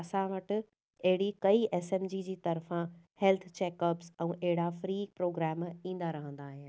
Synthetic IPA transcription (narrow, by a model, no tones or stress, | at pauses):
ɐsãʋɐʈɪ̆ | ɐɦɪɽikɐiʔɛːsẽmd͡ʑiːd͡ʑiːt̪ɐɾfã | hɛlt̪ʰt͡ɕeːkəpsɛ̃ːʔɐɦɪɽafɾiːpɾoːɡɾɛːmĩːnd̪aɾɐɦə̃nd̪aːɦɪnɪ